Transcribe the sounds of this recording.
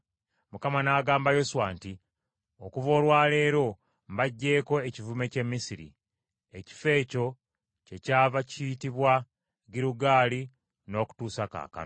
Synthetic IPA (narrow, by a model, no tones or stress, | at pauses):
mukamanaːɡaːmbajo̞suwaːnti | okuvo̞ːlwaːle̞ːɾo̞ | mbaɟːe̞ːko̞ecivume̞ce̞mːisiɾḭ | eci̥fe̞ːco̞ | ce̞caːvacitiβwa | ɡiɾuɡaːli | no̞ːku̥tuːsaka̰ːka̰